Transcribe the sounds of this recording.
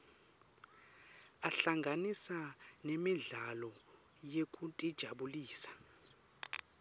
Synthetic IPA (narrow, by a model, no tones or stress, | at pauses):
aɬaŋɡʱanisanemiɮalɔ | jekʼutʼid̥ʒ̥ʱaɓuliːsḁ